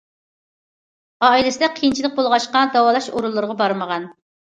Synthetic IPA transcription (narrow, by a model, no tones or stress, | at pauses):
ɑilɪsɪd̪ɛqʰijint͡ʃʰilˠɪk̚bolˠʁɑʃqɑd̪ɑwɑːlˠɑʃoɾulˠːɨɾəʁɑbɑɾməʁɑn